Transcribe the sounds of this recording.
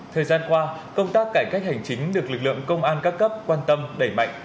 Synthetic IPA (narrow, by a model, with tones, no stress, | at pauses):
t̪ʰəː˨˩jzaː˧nkwaː˧kə˧wŋ͡mt̪aː˦˥k̚ːaː˧˩jka˦˥k̚ha˨˩jŋ̟t͡ɕï˨˦ŋ̟ɗɨ˨˩ək̚lɨ˨˩k̚lɨ̰˧˨əŋkə˧wŋ͡mʔaː˧nkaː˦˥kːə˦˥p̚kwaː˧nt̪ə˧mɗə˧˩jma̰˧˨jŋ̟